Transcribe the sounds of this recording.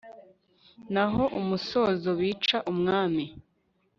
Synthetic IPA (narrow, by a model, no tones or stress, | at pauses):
naɦo̞ʔumuso̞zowiːt͡ʃaʔumŋaːmi